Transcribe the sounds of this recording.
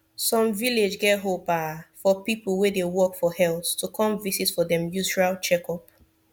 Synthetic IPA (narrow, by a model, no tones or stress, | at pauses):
sɔ̃ɱviled͡ʒɡɛtɦopafɔpiplˠwedewɔkfɔhɛlttukʰɔ̃mvisitfɔdɛ̃mjut͡ʃualt͡ʃɛkɔp